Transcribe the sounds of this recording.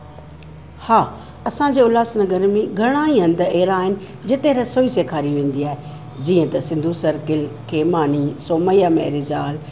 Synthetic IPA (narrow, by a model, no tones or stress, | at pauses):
haː | ɐsãːɲd͡ʑeːʊlaːsnɐɡəɾmẽɡʱɐɽ̃aːĩɦɐ̃nd̪eːɾaːɦɪnɪ̆ | d͡ʑɪt̪ẽɾɐsoːiseːkʰaːɾiʋẽːn̆d̪iaːɦe | d͡ʑĩːə̃t̪ɐsɪ̃nd̪ʱusɐɾkɪlkʰeːmaːniːsoːməjamɛ̰ːɾɪzaːl